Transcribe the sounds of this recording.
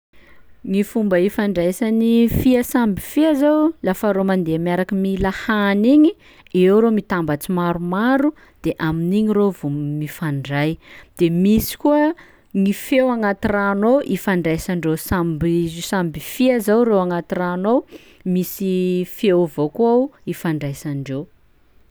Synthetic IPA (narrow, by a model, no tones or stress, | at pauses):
ŋifumbaifaɳɖ͡ʐajsanifiasambifiazawlafaɾomand̪eamiaɾakimilahaniɲi | ewɾomit̪ambat͡simaɾumaɾu | d̪̥eʔaminiɲiɾovummifaɳɖ͡ʐajd̪̥emisi̥kuə | ŋifewaŋat̪iranoʔifaɳɖ͡ʐajsaɳɖ͡ʐosambizsambifiazawɾewaŋat̪iranow | misifewvokawifaɳɖ͡ʐajsaɳɖ͡ʐe